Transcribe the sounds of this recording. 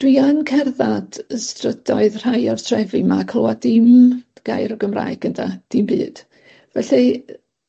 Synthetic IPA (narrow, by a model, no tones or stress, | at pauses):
d̥wiankʰɛrðad̥əstrəd̥ɔɨðr̥ajɔrtʰrɛvimakʰlˠowadɪmɡ̥a̰jɾɔɡəmra̰ːɨɡ̥ənda̰d̥ɪmbɨ̰ːd̥ | vɛɬɨ